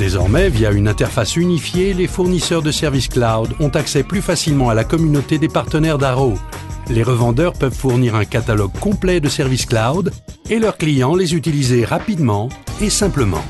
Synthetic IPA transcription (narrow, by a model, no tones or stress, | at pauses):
d̪̥ezɔ̰ʁmɛvjaynɛ̃t̪ɛʁfasynifjelefuʁnisœʁd̪əsɛʁvisklad̪ɔ̃t̪aksɛplyfasilmɑ̃alakɔmynot̪ed̪epaʁt̪ənɛʁd̪aʁo | leʁəvɑ̃d̪œʁpœvfuʁniʁɛ̃kat̪alɔɡ̚kɔ̃plɛd̪əsɛʁvisklawd̪elœʁklijɑ̃lezyt̪ilizeʁapid̪mɑ̃esɛ̃pləmɑ̰̃